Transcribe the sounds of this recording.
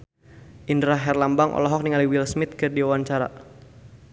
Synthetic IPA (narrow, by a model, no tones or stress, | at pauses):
ʔindɾaɦɛrlambaŋʔɔ̰lɔɦɔk̚niŋaliwilsmɪt̪̚kɨrdiawanɲt͡ʃaɾa̰